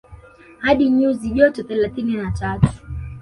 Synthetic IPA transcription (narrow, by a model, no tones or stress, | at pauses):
haɗiɲuziʄɔtɔθɛlaθininatatu̥